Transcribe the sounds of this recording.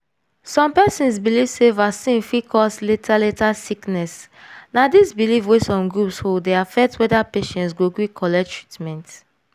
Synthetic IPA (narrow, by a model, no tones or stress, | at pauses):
sɔ̃mpɛsĩnsbilivsevasĩnfikʰɔsletʰaletasiknɛs | nadisbilivwesɔ̃mɡɹupshodeafɛk̚twɛdapeʃɛ̃ntsɡoɡɹikʰɔlɛtɹitmɛ̃nt